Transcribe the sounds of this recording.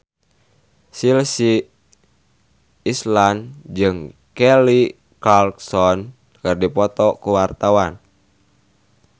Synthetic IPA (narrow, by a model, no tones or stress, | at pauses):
silsi | island͡ʒɨŋkɛli | kalksɔn | kɨrdipɔt̪ɔkuwart̪awan